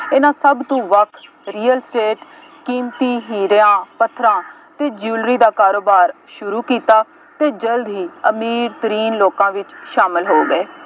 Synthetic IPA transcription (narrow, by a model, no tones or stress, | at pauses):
ɪnãːsəbt̪ũːʋəkʰ | ɾiːəlsʈeːʈ | kiːmt̪iːɦiːɾãːpət̪ʰːɾãː | t̪eːd͡ʒuːlɾiːd̪aːkaːɾoːbaːɾ | ʃʊɾuːkiːt̪aː | t̪eːd͡ʒəld̪ɦiːəmiːɾt̪əɾiːnloːkãːʋɪt͡ʃʃaːmɪlɦoːɡəeː